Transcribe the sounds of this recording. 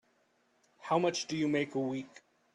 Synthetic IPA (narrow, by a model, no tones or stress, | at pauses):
haʊmʌt͡ʃd̥ɨjəmeɪkəwiˑk